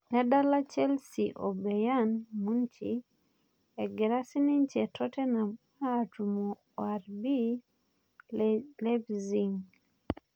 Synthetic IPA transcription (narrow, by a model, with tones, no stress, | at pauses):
nɛ˦da˦la˦t͡ʃɛ˦lsi˨ʔo˨bɛ˨ja˦nmu˦nt͡ʃḭ˨ | ɛ˨ɡɪ˨ɾa˦si˦ni˦nt͡ʃɛ˨tʰɔ˦tɛ˦na˨m | aː˦˨tu˨mɔ˨ | a˨ɾbi˦ | lɛ˦bzi˨ŋ